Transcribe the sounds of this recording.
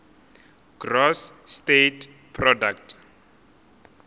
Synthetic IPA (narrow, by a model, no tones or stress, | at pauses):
ɡ̥rɔsːtetʰ | pʰrɔdaktʰ